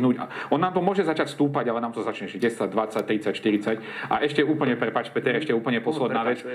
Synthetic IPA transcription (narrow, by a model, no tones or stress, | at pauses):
nuːɟaɔnːaːmt̪ɔmʊɔʒɛzat͡ʃacst̪uːpaɟalɛnaːmt̪ɔzat͡ʃɲɛʒɛɟɛsaɟd̪ʋat͡sac̚t̪ɾit͡sacʃt̪iɾit͡sac | ʔa̰ʔɛʃcɛuːpl̩ɲɛpɾɛpaːt͡ʃpɛt̪ɛɾɛʃcɛuːp̩ɲɛpɔslɛd̪naːʋɛt͡s